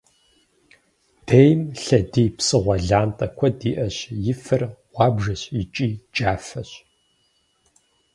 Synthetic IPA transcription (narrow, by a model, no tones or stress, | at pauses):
d̥ejmɬɐdiːpsɨʁʷɐɮaːntʼɐkʷʰɔdiːʔɐɕjɪfɨrʁʷɑːbʒɐɕɪt͡ʃʼiːt͡ʃʼaːfɐɕ